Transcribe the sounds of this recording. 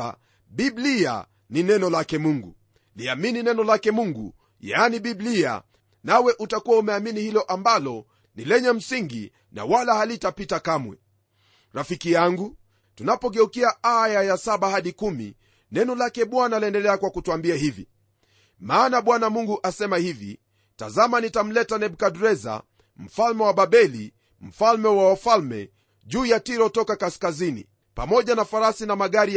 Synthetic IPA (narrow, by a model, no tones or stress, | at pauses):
a̰ | ɓiblia̰ | ninɛnɔlakɛmuŋɡṵ | liamininɛnɔlakɛmuŋɡṵ | janiɓiblia̰ | nawɛʔutakuwaumɛaminihilɔʔambalɔ | nilɛɲɛm̩siŋɡḭ | na̰walahalitapitakamwɛ̰ | ɾafikijaŋɡu | tunapɔɡɛukiaajajasaɓahaɗikumḭ | nɛnɔlakɛɓwanaliɛndɛlɛakwakutuambiaɦivḭ | maːnaɓwanamuŋɡuʔasɛmahivḭ | ta̰zamanitam̩lɛtanɛɓukaɗuɾɛza̰ | m̩falmɛwaɓaɓɛli | m̩falmɛwawafalmɛ̰ | ʄuːjatiɾɔtɔkakaskazinḭ | pamɔʄanafaɾasinamaɠaɾi